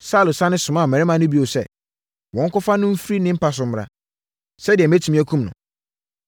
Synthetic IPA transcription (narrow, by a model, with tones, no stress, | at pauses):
sa˦˨lʊ˨sã˦nɪ̃˦sʊ˨mã˦˨mɛ̃˨ɾɪ˦mã˨nʊ̃˦bi˦o˨sɛ̰˦˨ | wɔ̃˨ŋ̩˦kʊ˦fa˦nʊ̃˦m̩˦fɾi˦nɪ̃˦m̩˦pa˦s̬ʊ̃˦mː˦ɾa̰˦ | sɛ˦dɪ˨ɛ˨m˦æ˦tʰu˨mĩ˦æ˦kʰũ˦mnʊ̃˨